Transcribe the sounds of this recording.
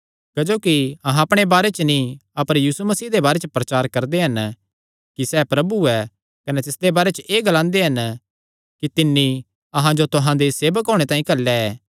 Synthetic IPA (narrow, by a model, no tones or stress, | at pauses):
kɐd͡ʒoːkiɐɦãɐpɽ̃ebaːɾet͡ʃənĩɐpəɾjiːsumɐsiːd̪ebaːɾet͡ʃəpɾɐt͡ʃaːɾkɐɾd̪eɦɐn | kisɛpɾɐbuɛ | kɐnɛt̪ɪsd̪ebaːɾet͡ʃəʔeːɡɐlãːnd̪eɦɐn | kit̪ɪnːi | ɐɦãd͡ʒot̪ʊɦãd̪eseːbəkɦoːɽ̃et̪ãːĩkɐlːɛɛː